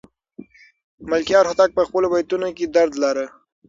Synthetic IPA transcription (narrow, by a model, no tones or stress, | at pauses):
malkjɑɾhʊt̪ak̚pəxpəlobajt̪unoked̪aɾd̪laɾə